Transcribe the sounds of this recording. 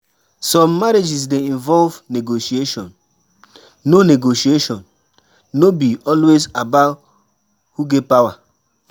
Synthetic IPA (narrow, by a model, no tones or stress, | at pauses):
sɔ̃mːaɾed͡ʒis̬dẽĩnvɔlvneɡoʃieʃɔ̃n | oneɡoʃieʃɔ̃nː | obiɔlwezabat | huɡepawa